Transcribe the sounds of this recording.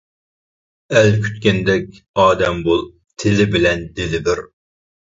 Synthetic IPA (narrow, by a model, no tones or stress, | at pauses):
ɛlkʲʰy̥t̪̚kʲɛnd̪ɛkʲ | ɑːd̪ɛmbolˠ | t̪ʰɪlɪbɪlɛnd̪ɪlɪbɪɾ